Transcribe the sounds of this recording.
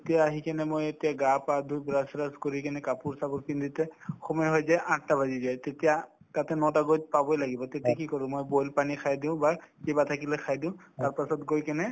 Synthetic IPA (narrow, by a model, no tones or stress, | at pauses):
etijaːɦikanɛmojetijaɡapad̪ʱujbɹasɹaskoɹikɛnɛkapuɹsabɔɹkintutɛxɔmɔjɦɔjzɛʔatːabʱazizajtetija | tatɛnɔtaɡojdpabojlaɡibɔtetijakikɔɹʊ̃mojbojlpanikʰajdʊ̃ʊ̃bakebatʰakilɛkʰajdʊ̃ʊ̃taɹpasɔtɡojkɛnɛ